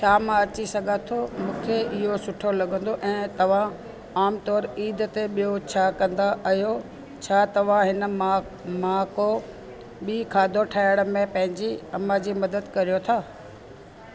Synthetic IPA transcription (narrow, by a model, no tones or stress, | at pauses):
t͡ɕʰaːmãɐt͡ɕisɐɡʱãt̪ʰomũːkʰeɪɦosʊʈʰolɐɡə̃nd̪oʔɛ̃ːt̪ɐʋ̤ã | aːmt̪ɔːɾiːd̪t̪eɓijot͡ɕʰaːkɐ̃nd̪aʔɐɦijo | t͡ɕʰaːt̪ɐʋ̤ãɦɪnə̆a | mãːko | ɓiːkʰaːd̪ʱoʈʰaːɪɽ̃əmẽpɐ̃ɦɪ̃ɲd͡ʑiɐmad͡ʑiːmɐd̪əd̪kɐɾijot̪ʰaː